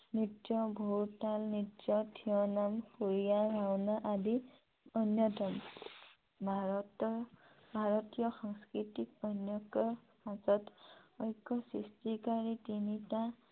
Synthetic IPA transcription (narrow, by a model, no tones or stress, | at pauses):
nitjɔbʱuɾʈalnitjɔtʰijɔnampuɾijaɾawnaʔad̪i | ʌnjɔtɔm | bʱt | bʱaɾɔt̪ijɔxɔŋskɾitik̚ʌnjɔkɔ | azʌt̪ɔjkɔsistikaɾit̪initã